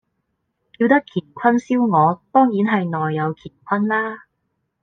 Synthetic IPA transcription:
kiː˧wt̪ɐ˥kʰiː˨˩n̚kʷʰɐ˥nsiː˥wŋɔː˨˧t̪ɔː˥ŋjiː˨˥nɦɐ˨jnɔː˨jːɐ˨˧wkʰiː˨˩t̚kʷʰɐ˥nlaː˥

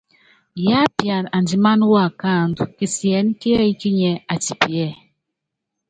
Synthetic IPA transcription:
ja˦pja˨na˨nd͡ʒi˨ma˦n˦wa˦˨ka˦˨ndu˨ki˨si˨ɛ˨˦n˦ki˦a˦i˦ki˦ɲɛ˨a˨ti˨pi˨ɛ˦˨

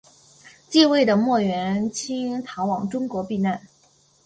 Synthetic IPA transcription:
t͡ɕi˥˧we˥˩ɪd̪ə˩mwɔ˥˩ɥɛ˧˥nt͡ɕʰi˥ŋt̪ʰa˧˥wɑ˨˩ŋʈ͡ʂʊ˥ŋkwɔ˧˥pi˥˧na˥˩n

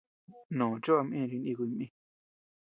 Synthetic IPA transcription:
nõ˨t͡ʃo˦a˧mʔĩ˦˧ɾi˧nĩ˧k̬ʷmĩ˧

